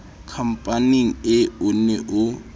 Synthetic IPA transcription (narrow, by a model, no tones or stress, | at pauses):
kʰam̩pʼaniŋ̩ɪʊnɛʔʊ